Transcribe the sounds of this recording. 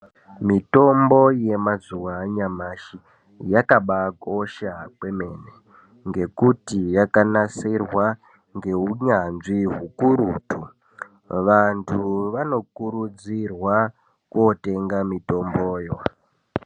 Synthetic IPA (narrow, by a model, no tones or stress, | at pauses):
mito̞mbo̞je̞mazuwaɲamaʃi | jakaɓako̞ʃakwe̞me̞ne | ŋɡe̞kutijakanasirwa | ŋɡe̞ɦuɲanʐiɦukuɾuːtʰu | ʋantʰuʋano̞kuɾud͡zirwa | kuo̞te̞ŋɡamito̞mboːjo